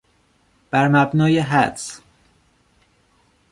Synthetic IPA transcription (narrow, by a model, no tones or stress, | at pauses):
b̥æɾmæbnɒːjeɦæd̪s